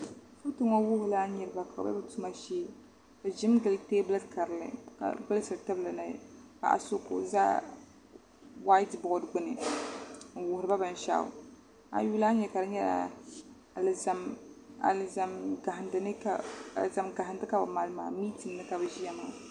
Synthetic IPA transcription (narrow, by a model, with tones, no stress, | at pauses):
fu˦tɨ˦ŋɔ˦wʊ˦hʊ˦laː˦ɲɛ˨ɾɨ˨ba˨ka̰˨ba̰˦bɨ˦tu˦ma˦ʃeː˦ | bɨ˨ʒɪ˦mɡɨ˨lɨ˦teː˦blɨ˦dka˨ɾɨ˨lɨ̰˦ka̰˨bɨ˦lsɨ˨ɾɨ˨tɨ˦blɨ˨na̰˦ka̰˨ʔa̰˨so˦ko̰˨za̰˦ | wa˦ɪ˦tbɔ˨˦dɡ͡bʊ˦nɨ˨ | n̩˨wʊ˨hʊ˨ɾɨ˨ba˦bɨ˨n˨ʃa̰˦˨ | a̰˨juː˦la˦ɲɛ˨ka˨dɨ˦ɲɛ˦la̰˨ | la˨ma˨lza˨mɡa˨hɪ˨ndɨ˦nɨ˦a˦a̰˨lza˨mɡa˨ɦɪ˨ndɨ˦ka˨bɨ̰˨ma˨lma̰ː˨miː˦tɨ˨nːɨ˦ka˨bɨ˨ʒi˦ɛ˦ma˨